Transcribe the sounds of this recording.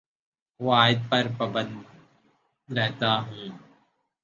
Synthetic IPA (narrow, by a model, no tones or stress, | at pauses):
ʋaːɪd̪̚pɐɾpɾɐbə̃nd̪ | ɾɛɦt̪aːɦũː